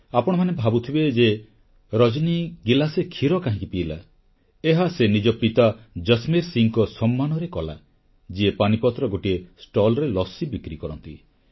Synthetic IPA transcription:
apɔɽ̃ɔmanebʱabut̪ʰibed͡ʒe | ɾɔd͡ʒniɡilasekʰiɾɔkaɦĩkipiːla̰ | eɦasenid͡ʒɔpit̪ad͡ʒəsmeɾsiŋkɔsɔmːanɔɾekɔla̰ | d͡ʒiepanipɔt̪ɾɔɡoʈiesʈɔlɾelɔsibikɾikɔɾɔnt̪ḭ

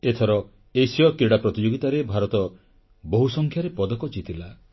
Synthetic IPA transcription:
et̪ʰɔɾɔ | esijɔkiɽapɾɔt̪id͡ʒoɡit̪aɾebʱaɾɔt̪ɔ | boɦusɔŋkʰjaɾepɔd̪ɔkɔd͡ʒit̪ila

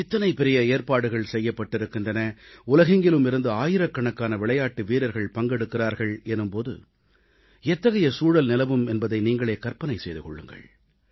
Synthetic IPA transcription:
ɪt̪ːɐnɐɪpɛɾɪjɐeːɾpaːɽɯɣɐɭsɛjːɐpːɐʈːɪɾɯkːɪndrɐnɐʊlɐɣɪŋɡɪlɯmɪɾɯnd̪ɯaːjɪɾɐkːɐɳɐkːaːnɐʋɪɭɐjaːʈːɯʋiːɾɐɾɣɐɭpɐŋɡɛɽɯkːɪraːɾɣɐɭɛnɯmpoːðɯ̰ | ɛt̪ːɐɣɐjɐsuːɻɐlnɪlɐʋɯmɛnbɐðɐɪniːŋɡɐɭeːkɐɾpɐnɐɪsɛjðɯkɔ̰ɭːɯ̰ŋɡɐ̰ɭ

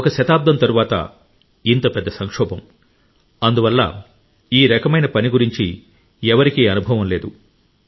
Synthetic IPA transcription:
ɔkɐʃɐt̪aːb̚d̪ɐmt̪ɐɾuʋaːt̪ɐ̰ | int̪ɐpɛd̪ːɐsɐŋkʂɔːbɐm | ɐnd̪uʋɐlːɐ̰ | iːɾɐkɐmɐjnɐpɐniɡuɾiɲt͡ʃi | ɛʋɐɾikiːɐnubʱɐʋɐmle̞ːd̪u

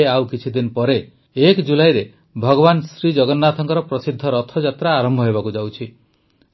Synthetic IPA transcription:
eawkit͡ʃʰid̪inpɔɾe | ekd͡ʒulajɾe | bʱɔɡɔβansɾid͡ʒɔɡɔnːat̪ʰɔŋkɔɾɔpɾɔsid̪ʱːɔɾɔt̪ʰɔd͡ʒat̪ɾaːɾɔmbʱɔɦebakud͡ʒawt͡ʃʰi

